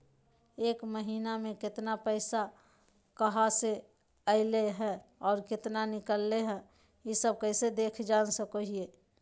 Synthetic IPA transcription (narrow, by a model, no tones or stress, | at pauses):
eːkməɦiːnamẽkɪt̪napəɪsa | kəɦase | əɪleɦɛɔːɾkɪt̪nanɪkəlːeɦɛ̃ | jisəb̚kəɪsed̪eːkʰd͡ʒaːnsəkəɦie